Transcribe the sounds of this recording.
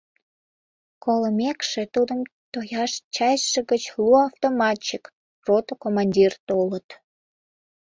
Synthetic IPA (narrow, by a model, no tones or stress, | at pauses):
koləmekʃet̪ud̪əmt̪ojɑʃt͡ɕɑjʃə̆ɣət͡ɕluɑft̪omɑt͡ɕik | rot̪okomɑnʲdʲirt̪olət̪